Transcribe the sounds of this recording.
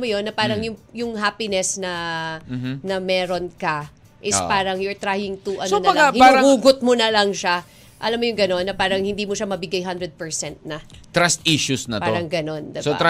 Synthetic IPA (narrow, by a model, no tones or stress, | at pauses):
mːojonːɐpaːɾɐŋjʊŋjʊŋɦaːpɪnɛsnɐ | nɐmɛːɾo̞nkɐ | ʔɪsspaːɾɐŋjoɹt̪ɾaːhɪŋt̪uʔɐsonɐlahɪaɾɐuːɡot̪̚monɐlɐŋʃa | ʔɐ̰lamːojʊŋɡɐno̞nːɐpaːɾɐŋhɪnd̪iːmʊʃamɐbɪɡajɦand̪ɾɛd̪̚pɛɹsɛnt̪̚nɐt̪ɾast̪ʔiʃusnɐtpaoɾɐŋɡɐno̞nd̪ɐsoɾ